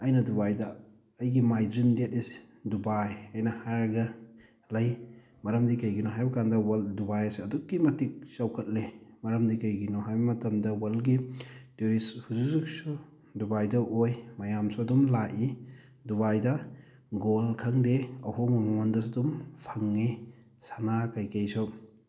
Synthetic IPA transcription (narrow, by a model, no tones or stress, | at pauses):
ɐjnɐdubajdɐ | ɐjɡimajdɾimdet̚is | dubajɐjnɐhaɾɐɡɐ | lɐj | mɐɾɐmdikɐjɡinɔɦajbɐkandɐwɐldubajɐseɐdukːimɐtik̚sawkʰɐt̚lemɐɾɐmdikɐjɡinɔɦajbɐmɐtɐmdɐwɐlɡituɾishuzuzuk̚sɔ | dubajdɐʔojmɐjamsɔɐdumlaʔi | duβajdɐ | ɡolkʰaŋdeɐhɔmɐmɔmɔndɔsadumpʰaŋːi | sanakajkajsɔ